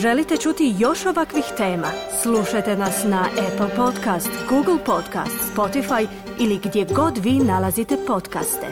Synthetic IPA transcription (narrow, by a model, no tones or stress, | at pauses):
ʒe̞lit̪e̞t͡ʃut̪ijo̞ʃo̞ʋakʋixt̪e̞ːma | sluʃajt̪e̞nasnaʔepl̩ˠpo̞t̪kast̪ɡuːɡl̩ˠpo̞d̪ka̰st̪spo̞t̪ifaj | iliɡd̪je̞ɡo̞d̪ʋiːnalazit̪e̞po̞t̪ka̰st̪ḛ